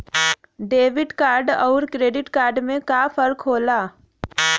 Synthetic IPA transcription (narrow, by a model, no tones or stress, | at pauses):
ɖeːʋɪɖkaːɾɖɔːɾkɾeːɖɪʈkaːɾɖmẽkafɐɾkʰɦoːlaː